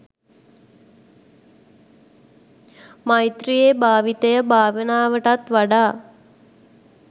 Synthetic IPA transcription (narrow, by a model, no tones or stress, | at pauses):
majt̪ɾijebʱaːʋit̪əjəbʱaːʋənaːʋəʈat̪ʋaɖaː